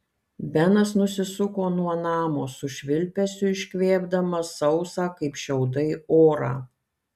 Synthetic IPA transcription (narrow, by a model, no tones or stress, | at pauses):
bʲɛnɐsnʊsʲɪsʊkoːnuɔnɑːmoːsʊʃʲʋʲɪlʲpʲɛsʲʊɪʃʲkʲʋʲeːbd̪ɐmɐsɐʊsɑːkɐɪpʃʲɛʊd̪ɐɪoːɾɑ̰ː